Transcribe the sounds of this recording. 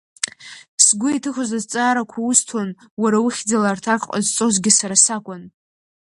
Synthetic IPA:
sɡʷʊitʰɨχʷʊzazt͡sʼaːɾakʷʰaʊstʰon | waɾawʊχʲd͡zalartʰaqqʼa̰zt͡sʼo̞zɡʲɪsaɾasakʷʼan

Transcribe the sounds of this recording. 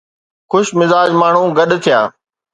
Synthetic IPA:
xʊʃmɪzaːd͡ʒmaːɳ̤ũːɡɐɗt̪ʰɪjaː

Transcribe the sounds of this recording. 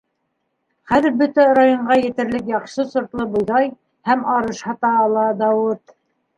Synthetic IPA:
χæðɘ̆ɾbɵt̪æɾajoɴɢɑjɘ̆t̪ɘ̆ɾlɘkjɑχʃɤsŏɾt̪lˠɤbŏjðɑj | hæmɑɾɤʃhɑt̪ɑːlˠɑd̪ɑwɤt̪

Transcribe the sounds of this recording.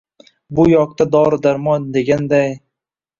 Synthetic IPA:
bʊjɒk̚t̪ad̪ɒɾd̪aɾmɒnd̪e̞ɡʲand̪aj

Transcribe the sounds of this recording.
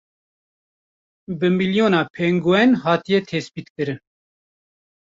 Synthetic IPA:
bɨmiljoːnɑːpʰeːŋɡowɛnɦɑːt̪ijɛt̪ʰeːspiːt̪kɨɾɨn

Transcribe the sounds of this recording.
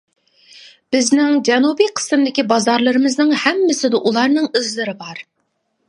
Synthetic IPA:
b̥ɪznɪŋd͡ʒɛnubijqʰə̥sɨmd̪ɪkʲibɑzɑɾlˠɨɾɨmɨznɨŋhɛmːɪsɪd̪ɨʔulˠɑɾnɨŋizlɨɾɪbɑɾ

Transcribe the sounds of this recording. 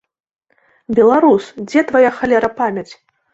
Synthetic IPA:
bʲɛlˠaɾusd͡zʲɛt̪vajaxalʲɛɾɐpamʲat͡sʲ

